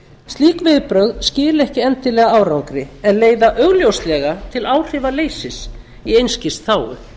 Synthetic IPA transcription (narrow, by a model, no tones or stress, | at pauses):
st̪liːkvɪðpɾœɣðscɪːlɛhcɪɛnt̪ɪlɛːɣaawɾawkɾɪɛnleːjðaʔœɣljowst̪lɛɣat̪ʰɪlawr̥ɪvaleːjsɪs | iejnscɪst̪θaːwʏ̰